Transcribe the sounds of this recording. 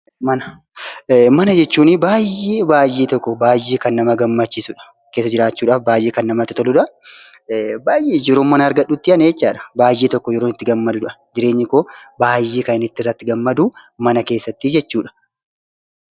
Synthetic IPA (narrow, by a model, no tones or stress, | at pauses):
mɐnɐ | mɐnɐd͡ʒɛt͡ʃːuːnɪbaːjeːbaːjːeːt̪ɔkːɔbaːjːeːkɐnːɐmɐɡɐmːɐt͡ʃːisʊᶑɐ̥ | keːsːɐd͡ʒɪɾaːt͡ʃːuːᶑaːfbaːjʔeːkɐnːɐmɐt̪ɪt̪ɔlʊᶑɐ | baːjʔeːd͡ʒɛɾoːmːɐnɐɐɾɡɐɗːut̪ːɪɐneɛt͡ʃːaːᶑɐ̥baːjːeːt̪ɔkːɔd͡ʒɛɾoːnɪt̪ːɪɡɐmːɐd̪ʊᶑɐd͡ʒɪɾe̞ːɲːɪkoːbaːjːeːkɐnɪnɪt̪ːɪrːɐt̪ːɪɡɐmːɐd̪umɐnɐke̞ːsːɐt̪ːid͡ʒɛt͡ʃːuːᶑɐ̥